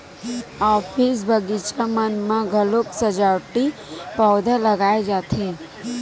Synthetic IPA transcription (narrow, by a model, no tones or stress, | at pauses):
ɔːfʰis̬bʱəɡit͡ʃamənmãɡʱəloksəd͡ʒawʈipɔːd̪ʱaləɡaːed͡ʒaːt̪ʰe